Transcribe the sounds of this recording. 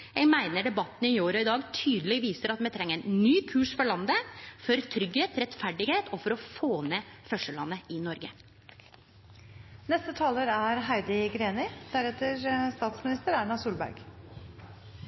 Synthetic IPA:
ɛmæɪnəɖɛbɑt̪ːn̩ɪoːɾɔɪd̪ɑːɡt̪ʰyːd̪əlɛɡʋiːsəɾɑt̪mɛt̪ʰɾɛŋːəænnyːkʰʉːʂfɔɭɑnd̪əfɔɾt̪ʰɾʏɡheːt̪ɾɛt̪fæɖɪɡheːt̪ɔfɔɾɔfoːneːfœʂəlɑnːəɪnɔɾɡə | nɛst̪ət̪ʰɑːləɾæɾɦæɪd̪ɪɡɾeːnɪd̪̥æɾɛt̪əɾst̪ɑːt̪smɪnɪst̪əɾæːɳɑsuːlbæ̰ɾɡ̥

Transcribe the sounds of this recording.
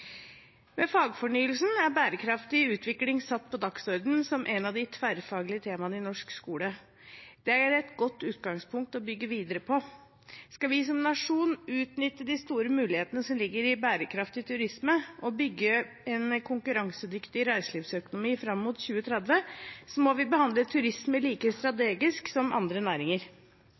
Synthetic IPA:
mɛfɑːɡfɔɳyːəlsn̩æɾbæːɾəkʰɾɑft̪ɪʉːt̪ʰʋɪklɪŋsɑt̪ːpʰɔd̪ɑksɔɾd̪n̩sɔmʔɛnɑʋd̪ɪt̪ʰʋæɾfɑːɡlɪət̪ʰeːmɑnəɪnɔʂkskuːlə | d̪̥ɛæɾɾɛt̪ɡɔt̪ːʉːt̪ɡɑŋspʰʊŋk̚t̪ɔbʏɡːəʋiːd̪əɾəpʰɔ | skɑʋɪs̬ɔmnɑʂuːnʉːt̪nʏt̪ːəd̪ɪst̪uːɾəmʉːlɪheːt̪ənəsɔmlɪɡːəɾɪbæːɾəkʰɾɑft̪ɪt̪ʰʉɾɪsməɔbʏɡːə | ɛnkʰʊŋkʉɾɑŋsəd̪ʏkt̪ɪɾæɪsəliːfsœkʊnʊmiːfɾɑmːuːt̪çʉːət̪ʰɾɛd̪ʋəsɔmɔʋɪbəhɑnd̪lət̪ʰʉɾɪsməliːkəst̪ɾɑt̪eːɡɪsksɔmʔɑ̰nd̪ɾənæːɾɪŋəɾ

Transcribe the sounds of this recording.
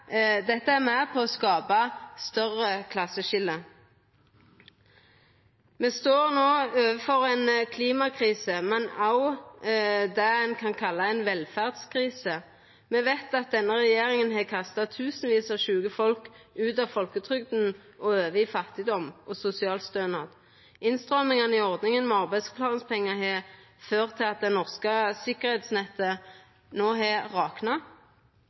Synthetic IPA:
d̪ɛt̪ːəæʁmæpʰɔːskɑːbɑst̪œʁəkʰlɑsːəʃɪlə | meːst̪oːʁnoːøːʋəfɔʁɛɪnkʰliːmɑkʰʁiːsəmɛnɑʊ | d̪ɛɛnkʰɑnkʰɑlːɑɛɪnʋɛlfæʁd̪skʰʁiːsə | mɛʋɛt̪ɑt̪̚d̪ɛnːəʁɛjeːʁɪŋənɦɛkʰɑst̪ɑt̪ʰʉːsn̩ʋiːsɑʃʉːɡəfɔlkʉːt̪ɑʋfɔlkət̪ʰʁʏɡd̪n̩ | ʔɔøːʋəɪfɑt̪ɪd̪ɔmʔɔsʊsɪɑːlst̪øːnɑd̪ | ɪnst̪ʁɔmɪŋɑnɪɔʁd̪nɪŋənmɛɑʁbæɪd̪spʰlɑːnspʰɛŋːɑɦɛː | føːʁt̪ʰɪlɑt̪̚d̪ɛnɔʁskəsɪkəʁhɛːt̪snɛt̪ːə | noːɦɛʁɑːknɑ

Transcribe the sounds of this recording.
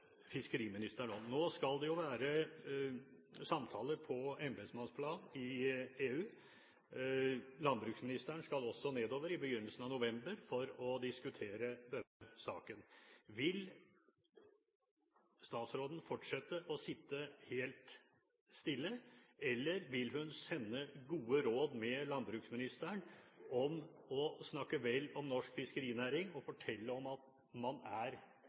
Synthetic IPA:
fɪskəɾiːmɪnɪst̪əɳoːnoːskɑld̪ɛjʊʋæːɾə | sɑmt̪ʰɑːləpʰɔɛmbesmɑnspʰlɑːnnɪeːʉː | lɑnbɾʉːksmɪnɪst̪əɳskɑlɔsːɔneːd̪oːʋəɾɪbəjʏnːəlsən̩ɑʋnʊʋɛmbəɾfɔɾɔd̪ɪskʉt̪ʰeːɾəd̪œəsɑːkənʋɪl | st̪ɑːt̪sɾoːd̪ən̩fɔʈʂɛt̪ːəʔɔsɪt̪ːəheːlt̪ | st̪ɪlːəɛlːəɾʋɪlɦʉnsɛnːəɡuːəɾoːd̪mɛlɑnbɾʉksmɪnɪst̪əɳɔmɔsnɑkːəʋɛlːɔmnɔʂkfɪskəɾiːnæːɾɪŋɔfɔʈʰɛlːəɔmɑt̪ | mɑnæɾ

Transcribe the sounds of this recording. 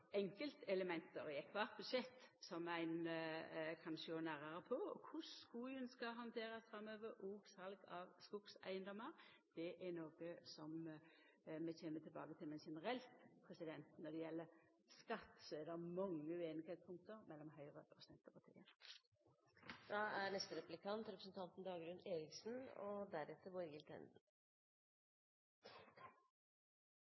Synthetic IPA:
ɛŋkəlt̪ɛləmɛnt̪əɾɪɛkʰʋɑt̪̚bʉd̪ʃɛt̪ːsɔmæɪn | kʰɑnʃəɡoːnæɾəɾəpʰɔɔ̰kʰʊsskuːœnskɑɦɑnt̪ʰeːɾɑsfɾɑmːøːʋəɾʔuːɡsɑlɡɑʋskʊɡ̥sæ̰ɪənd̪ɔmːəɾ | d̪̥ɛʔɛnoːɡəsɔm | mɛçeːnːət̪ʰɪlbɑːɡət̪ʰɪlmɛnʃɛnəɾɛlt̪pʰɾɛsɪd̪ɛnt̪nɔd̪ɛjɛlːəɾ | skɑt̪ːsɔɛɾd̪ɛmɑŋːəʉeːnɪɡheːt̪spʰʊŋk̚t̪əɾmɛlːɔmɦœʏʁəpʰɾʊsɛnt̪əpʰɑt̪ʰḭːə | d̪̥ɑæɾnɛst̪əɾɛplɪkʰɑnt̪ɾɛpɾəsnt̪ʰɑnt̪n̩d̪ɑːɡɾʉneːɾɪksn̩ɔ̰d̪æɾɛt̪ːəbɔɾɡɪlt̪ʰɛ̰nd̪

